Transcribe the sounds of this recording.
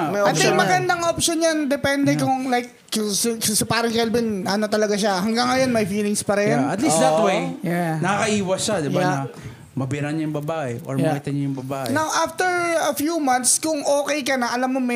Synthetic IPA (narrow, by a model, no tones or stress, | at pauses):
mɐjʔɐt̪ɛmɐɡɐnd̪aŋopʃonjand̪ɛpɛnd̪ɛkʊŋlajkː | ʊsksɐpaɾɪnkɛlbɪnʔɐnot̪ɐlɐɡaʃahɐŋɡaŋːɐjonmɐjfiːlɪŋspɐɾɛnɐt̪lisd̪ɐt̪wejanɐkɐkɐʔiːwɐsʃad̪ɪjaanɐ | mɐbɪɾanɐjʊŋbɐbaːʔɛʔoɹmɐkɪt̪ɐɲɐjʊŋbɐbaːʔɛnawʔaft̪ɛɹɐfjumɐnt̪skʊŋʔo̞ːkɛjkɐnɐʔɐlamːomɛ